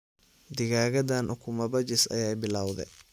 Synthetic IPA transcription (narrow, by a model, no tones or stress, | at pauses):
d̪ɪɣaːɣɐd̪aːnʔʊkʰʊmɐbɐt͡ʃɪsɐ̰jɛːjbɪlaːwðɛ̰j